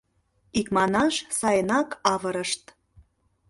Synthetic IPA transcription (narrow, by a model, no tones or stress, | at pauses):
ikmɑnɑʃsɑjənɑkɑvəɾəʃt̪